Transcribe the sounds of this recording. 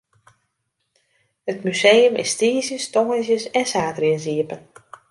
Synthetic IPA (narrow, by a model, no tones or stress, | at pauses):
hətmyseːəmʔɪ̰stiəzjəstɔŋəzjəsɛnsaːtriənziəpən